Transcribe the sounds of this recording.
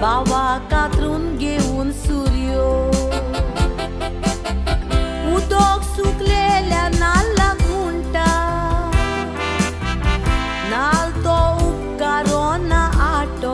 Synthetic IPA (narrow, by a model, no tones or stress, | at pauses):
baʋakat̪ɾunɡewunsuɾjo | ud̪oksuklelanalːaɡuɳʈa | nalt̪ou | kːaɾɔnaʔaʈɔ